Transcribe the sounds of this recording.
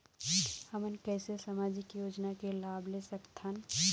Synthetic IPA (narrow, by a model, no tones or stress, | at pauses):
həmənkɛːsesamaːd͡ʒɪkjoːd͡ʒnakelaːblesɐkt̪ɦan